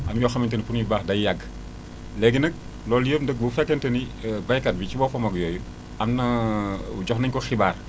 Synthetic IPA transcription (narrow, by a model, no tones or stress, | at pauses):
ʔɐmjɔxɐmɐntɐnipunjibaːxdɐjjɐɡ | lɛɡinək̚ | lɔːljəpndək̚bufɛkːɐntɐni | bɐjkɐt̚bicibɔfɐmɐɡjɔːju | ɐmnɐuɟɔxnɐɲkɔxibaːr